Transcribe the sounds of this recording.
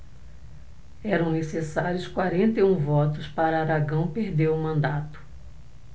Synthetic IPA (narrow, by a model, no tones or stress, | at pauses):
ɛɾɐ̃w̃nesesaɾjʊskwaɾẽnt̪eũvɔt̪ʊspaɾɐaɾaɡɐ̃w̃peɾd̪ewʊmɐ̃nd̪at̪ʊ̥